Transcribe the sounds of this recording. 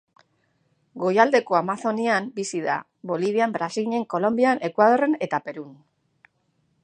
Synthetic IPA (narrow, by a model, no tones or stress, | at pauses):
ɡo̞jald̪e̞ko̞amaθo̞niambisiða̰ | βo̞liβiambɾasiɲe̞ŋko̞lo̞mbiane̞kwaðo̞re̞ne̞t̪ape̞ɾun